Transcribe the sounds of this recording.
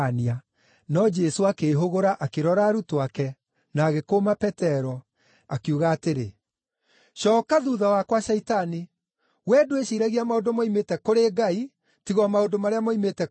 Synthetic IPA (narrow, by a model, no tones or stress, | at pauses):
nia | nɔd͡ʒɛsoakeɦoɣoɾaʔakeɾɔɾaɾutoakɛ | naːɣekomapɛtɛɾɔ | akuːɣaːteɾe | ʃɔːkaðuðawakwaʃɛitani | wɛdweʃiɾaɣiamaodomaimetɛkoɾeɡai | tiɣamaondomaɾeamaimetɛ